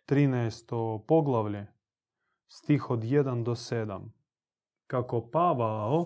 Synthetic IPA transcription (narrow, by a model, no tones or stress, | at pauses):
t̪ɾinajst̪opoɡlˠaʋle | st̪ixod̪jed̪and̪osed̪a̰m | kakopaʋao